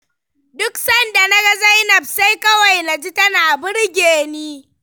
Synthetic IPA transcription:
dʊ˦ksɐ˦˨nda˨na˦ɡɐ˦za˦jnɐ˨b̚sa˦jkɐ˦wa˨jna˨d͡ʒi˦tɐ˦naː˨bʊ˦ɽɡʲeː˨niː˦

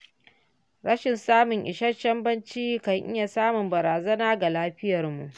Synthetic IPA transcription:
ɾɐ˦ʃɪ˨nsaː˦mʊ˨ŋʔɪ̰˨ʃɐ˦rt͡ʃːɐ˦mbɐ˦nt͡ʃiː˦kɐ˨ŋʔɪ̰˦ja˨saː˦mʊ˨mbɐ˨ɾaː˨zɐ˦naː˦ɡa˨laː˦ɸɪ˦jɐ˨rmṵ˨ʔ

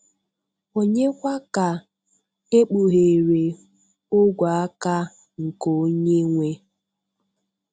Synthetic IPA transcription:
o˨ɲe˦kʷa˦ka˨ | e˦k͡pu˨ɦe˨ɾe˨ | o˦ɡʷa˨a˦ka˦ | ŋ̩˨ko˨o˦ɲe˦ŋʷe˦

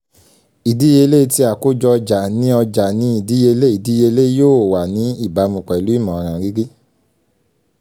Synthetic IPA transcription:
i˨di˨˦je˧le˦˧ti˧a˨ko˦d͡ʒɔ˧d͡ʒa˨nĩ˨˦ɔ˧d͡ʒa˨nĩ˦i˦˨di˨˦je˧le˦i˨di˨˦je˧le˦joː˦˨wa˨nĩ˨˦i˦˨ba˨˧˦mũ˨k͡pɛ˨lu˨˦i˦˨mɔ̃˨ɔ˨˧ɾ̃ã˧ɡi˦ɡi˦

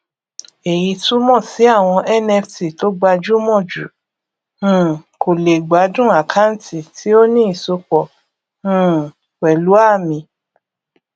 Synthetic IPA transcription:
e˨ji˧tu˦mɔ̃˦˨si˨˦a˦˨w̃ɔ̃˧ʔɛ˦nɛ˧fti˨to˨˦ɡ͡ba˧d͡ʒu˦mɔ̃˦˨d͡ʒṵ̃˨˦˨ | ko˨le˨ɡ͡ba˨˦dũ˦a˨kʰa˨˦n̩˦ti˨tʰi˨˦o˦nĩ˦i˨so˧k͡pɔ̃˨˦ | kɛ˨lu˨˦a˦˨mĩ˧

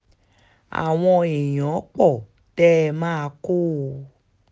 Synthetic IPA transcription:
a̰˨w̃ɔ̃˧e˨jɔ̃˨˦k͡pɔ˦˨ | tɛ˦˧mãː˦a˧ko˦˨˧

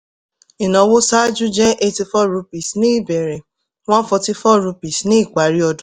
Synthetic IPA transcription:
i˨nɔ̃˨˦wo˦sa˦d͡ʒu˦d͡ʒɛ˦ʔe˧ti˧fɔ˦ɾu˧pi˨snĩ˦i˦˨bɛ˨ɾɛ̃˨ | w̃ɔ̃˦fɔ˧ti˧fɔ˦˨ɾu˧pi˨snĩ˦i˦˨k͡pa˨ɾi˦ɔ˧dũ˦

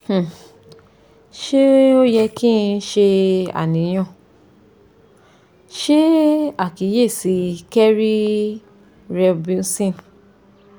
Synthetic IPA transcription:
h̩˦˨ | ʃe˦o˦jɛ˧ki˦˧˦ʃe˧a̰˨nĩ˨˦j̃ɔ̃˦˨ | ʃe˦a˦˨ki˨˦je˦˨si˨˦kɛ˦ɾi˦ | ɾɛ˧bu˧n̩˦sĩ˦˨n

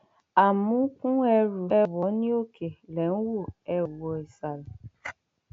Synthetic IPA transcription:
a˨mũ˦kũ˦ɛ˦ɾu˨ɛ˦wɔ˨˦ni˦o˦kʰe˨le˨ŋ̩˦wo˦˨ɛ˦˨wɔ˨i˨sa˨la˨

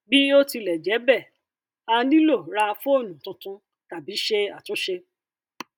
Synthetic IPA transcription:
bi˦o˦ti˧lɛ˨d͡ʒɛ˨˦bɛ˦˨ | a˧˦dĩ˦lo˦˨ɾa˧fu˦o˦˨nũ˨tũ˧tũ˦ | ta˨bi˨˦ʃe˧a˦˨tũ˨˦ʃe˧

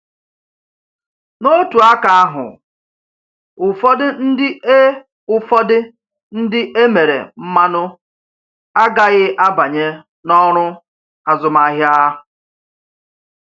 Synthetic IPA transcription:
no˦tu˨a˦ka˨a˦ɦʊ̰˨ | ʊ˨fɔ˦dɪ˦n̩˦dɪ˦e˦ | ʊ˨fɔ˦dɪ˦ | n̩˦dɪ˦ʔe˦me˨ɾḛ˨m̩˦ma˦nʊ˦ | a˦ɡa˦ɣɪ˦ʔa˦ba˨ɲe˦ | nɔ˦ɾʊ˦ | a˨zʊ˨ma˨ɦja˦

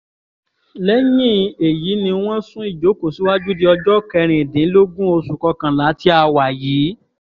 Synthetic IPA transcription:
lɛ˦ɲĩ˦˨e˨ji˨˦nĩ˧w̃ɔ̃˦sũ˦i˦˨d͡ʒo˨˦ko˦˨si˨˦wa˦d͡ʒu˦di˧˦ɔ˧d͡ʒɔ˦kɛ˧ɾ̃ĩ˨dĩ˨˦lo˦ɡũ˦o˧su˨kɔ˧kã˨la˨˦ti˦a˧wa˨jiː˨˦

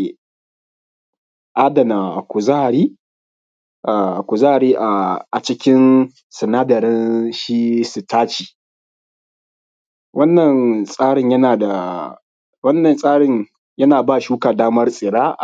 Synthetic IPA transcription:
ʔa˦dɐ˨na˨kʷʊ˨za˦˨ɾiː˦ | ʔa˨kʷʊ˨za˦a˨ɾiː˦ʔa˨a˨t͡ʃɪ˦kʲɪ˦n | sɐ˨naː˦dɐ˨ɾɪ˦nʃiː˦su˨taː˦t͡ʃiː˨ | wɐ˦nːɐ˨nsʼaː˦ɽɪ˦˨ɲjɐ˦naː˨da˨ | wɐ˦nːɐ˨nsʼaː˦ɽɪ˦˨ɲ | jɐ˦naː˨baː˦˨ʃuː˦kaː˨daː˦mɐ˦rsʼɪ˨ɽaː˦ʔ

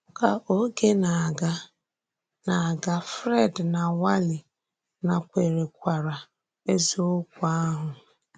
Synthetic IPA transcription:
ʊ˨ka˨ʔo˦ɡe˦na˨ɡa˦ | na˨ɡa˦fɾe˦˨dna˨wa˦lɪ˨ | na˨kʷe˨ɾe˨kʷa˨ɾa˨ | e˦zo˦o˦kʷa˦ɦʊ˨

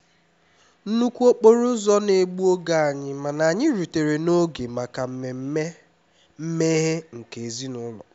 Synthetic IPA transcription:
n̩˦nu˦kʷu˦o˦k͡po˦ɾʊ˦zɔ˦ne˨ɡ͡bu˦o˦ɡa˦a˨ɲɪ˦ma˨na˨ɲɪ˦ɾu˨te˨ɾe˨no˦ɡe˨ma˨ka˨m̩˦me˨m̩˦e˦ | m̩˦me˦ɦe˦ŋ̩˨ke˨e˨zi˦nʊ˦lɔ̰˨

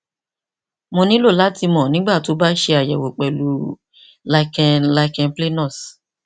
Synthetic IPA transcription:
mõ˧nĩ˨˦lo˦˨la˨˦ti˧mɔ̃˨nĩ˨˦ɡ͡ba˦˨to˨˦ba˦ʃe˧a˨jɛ˨wo˨k͡pɛ˨lu˨˦ | la˧kɛ̃˧la˧kɛ̃˧nple˦nɔ̃˦˨s

